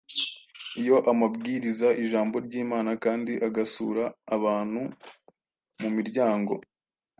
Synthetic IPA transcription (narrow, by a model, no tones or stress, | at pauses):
ijo̞ʔamabɡiːɾizaʔiʒaːmbo̞ɾɟiːmaːnakaːndiʔaɡasṵːɾaːβaːn̥hu | mumiɾɟaːŋɡo̞̰